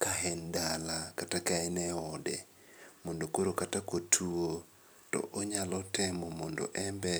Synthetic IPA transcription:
kaɦɛndalakatakaɛnɛɔdɛ | mondokoɾokatakotʰuo | tɔ̰ʔoɲalɔtɛmɔmɔndo̰ʔɛmbɛ

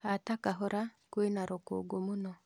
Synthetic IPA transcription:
atakaɦɔɾʔa | kwenaɾoko̰ɡomunɔ

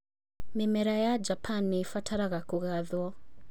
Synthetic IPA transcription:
mimɛɾajad͡ʒapʰanifatʰaɾaɣakuɣaðwɔ

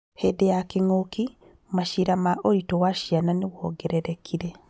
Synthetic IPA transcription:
hedejakeŋoki | maʃiɾamaʔoitɔwaʃiananewɔɡɛɾɛɾɛkʰiɾɛ

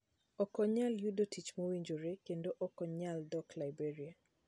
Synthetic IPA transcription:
ɔkɔɲaljudotʰit͡ʃmowiɲd͡ʒoɾekendoʔɔkɔɲaldɔklajbeɾia

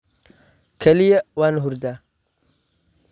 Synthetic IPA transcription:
kʰɐlijewanɦuɾd̪a

